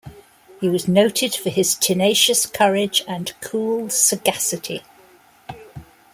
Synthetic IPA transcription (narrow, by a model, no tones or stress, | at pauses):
hiwɒznoʊtʰɪd̥fəɪz̥tʰɪneɪʃəskʰʌɹɪd͡ʒə̃nkʰuːlˠsəɡasɪtʰḭ